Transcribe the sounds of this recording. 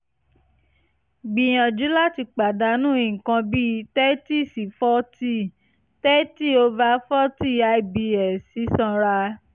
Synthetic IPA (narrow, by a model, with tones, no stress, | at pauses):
ɡ͡bi˨j̃ã˨d͡ʒu˨˦la˦ti˧k͡pa˨da˨˦nũ˦i˨kã˧bi˦˧˦tɛ˦ti˦˨si˨fɔ˦ti˦˨ | tɛ˦ti˦o˧va˧˦fɔ˦ti˦˨a˧i˨bi˧ɛ˨si˨˦sã˦˧ɾa˧